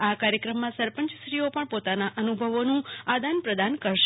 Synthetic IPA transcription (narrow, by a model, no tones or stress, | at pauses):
akaɾjəkɾəmːãsəɾpəɲt͡ʃsɾiopəɳpot̪anaʔənubʱəʋonũad̪ʱanpɾəd̪ankəɾʃ